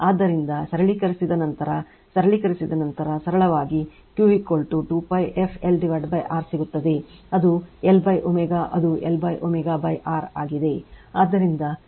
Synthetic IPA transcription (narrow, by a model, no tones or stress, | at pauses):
aːd̪ːɐɾind̪ɐsɐɾɐɭikɐɾisid̪ɐnɐnt̪ɐɾɐ | sɐɾɐɭikɐɾisid̪ɐnɐnt̪ɐɾɐsɐɾɐɭɐʋaːɡi | kjuːikoːlʈuʈuːpɐjefʰelɖiʋɐɾɖbɐjʔaːɾsiɡut̪ːɐd̪e̞ɐd̪uelbɐjʔomɛɡaːʔɐd̪uelbɐjʔomɛɡaːbɐjʔaːɾaːɡid̪e̞aːd̪ːɐɾind̪ɐ